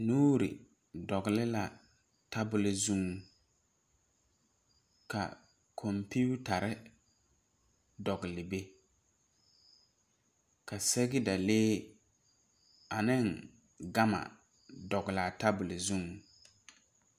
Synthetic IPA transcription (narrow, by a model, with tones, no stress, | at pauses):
nuː˦ɾɪ̰˨ | dɔ˨ɡlɪ˦la˨ | ta˦bʊ˨lɪ˨zu˦ŋ | ka̰˨ | kʰɔ˨mpi˦u˦ta˨ɾɪ˦ | dɔ˨ɡɪ˨lɪ˨be˦ | ka˨sɛ˦ɡɪ˦da˨leː˦ | a˨nɪ˦ŋ | ɡa˦ma̰˨ | dɔ˨ɡɪ˨la˨ta˦bʊ˨lɪ˨zu˦ŋ˨